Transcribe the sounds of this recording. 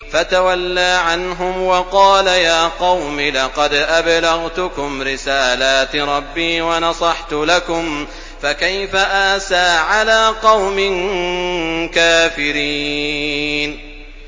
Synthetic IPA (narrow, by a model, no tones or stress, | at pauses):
fat̪awalːaːʕanɦʊmwɑqɑːlajaːqɑwmilɑqɑd̪ʔablaɣt̪ʊkʊmɾɪsaːlaːt̪ɾˤɑbːiːwɑnɑsˤɑħt̪ʊlakʊm | fakajfaʔaːsaːʕalaːqɑwmɪn | kaːfɪɾiː | n